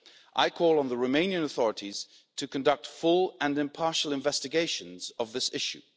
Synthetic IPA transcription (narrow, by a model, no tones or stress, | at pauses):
ʔa̰ɪkʰɔːlˠə̃nðəɹoʊmẽɪ̃njə̃nəθɔɹətiz̥ | tʰɨkʰə̃ndʌk̚tfʊlˠə̃nɨ̃mpʰɑɹʃəl̩ˠɨ̃ɱvɛstɨɡeɪʃə̃nz̥əvðɪsɪʃʉ̰